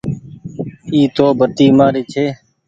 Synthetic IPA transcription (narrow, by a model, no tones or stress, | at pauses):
iːt̪oːbʱət̪iːmaːɾeːt͡ʃʰeː